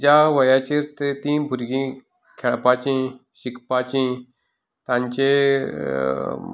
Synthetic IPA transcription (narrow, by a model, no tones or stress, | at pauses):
d͡ʑaʋəjat͡ɕiɾt̪et̪ĩːbʱuɾɡĩ | kʰeɭpat͡ɕĩɕikʰpat͡ɕĩ | t̪ãnt͡ɕe